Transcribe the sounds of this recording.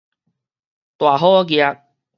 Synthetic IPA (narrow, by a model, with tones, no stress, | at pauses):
t̪waː˨˩ɦɔː˦k̬i˧a˧k̚